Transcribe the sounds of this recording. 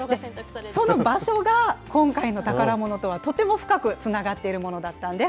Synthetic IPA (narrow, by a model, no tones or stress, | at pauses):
d̪eso̞no̞baɕo̞ɡakõ̞ŋkaino̞t̪akaɾamo̞no̞t̪o̞βat̪o̞t̪e̞mo̞ɸɯ̟̥kakɯ̟t͡sɨnaɡat̪ːe̞iɾɯ̟mo̞no̞d̪at̪ːãnd̪e̞